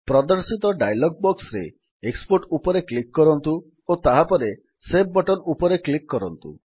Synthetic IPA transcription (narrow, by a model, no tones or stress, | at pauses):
pɾɔd̪ɔɾsit̪ɔɖajlɔɡ̚bɔksɾḛ | ekspoɾʈupɔɾeklikːɔɾɔnt̪u | ot̪aɦapɔɾe | sebbɔʈɔnupɔɾeklikːɔɾɔnt̪ṵ